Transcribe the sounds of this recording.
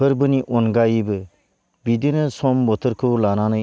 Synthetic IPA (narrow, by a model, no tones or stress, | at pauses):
ɯɾbɯniʔɔnɡajibɯ | bidinɯsɔmbɔt̪ʰɯɾkʰɯwlananɯ